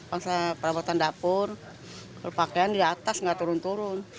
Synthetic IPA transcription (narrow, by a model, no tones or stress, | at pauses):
baŋsapəɾabat̪andapʊr | kalupakaandidat̪asŋɡat̪uɾʊnt̪uɾʊn